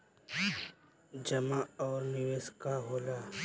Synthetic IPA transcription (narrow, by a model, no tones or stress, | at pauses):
d͡ʒɐmaɔːɾnɪʋeːskaɦoːlaː